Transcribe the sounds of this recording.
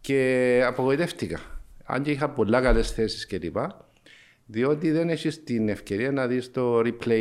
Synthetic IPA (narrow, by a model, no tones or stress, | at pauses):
ce̞ɐpoɣo̞it̪e̞ft̪ikɐɐ̰ɲɟeixɐpo̞lːɐkɐle̞sθe̞si̥sce̞lipɐ | ðio̞t̪iðe̞neçist̪ine̞fce̞ɾiɐnɐðist̪o̞ɾiple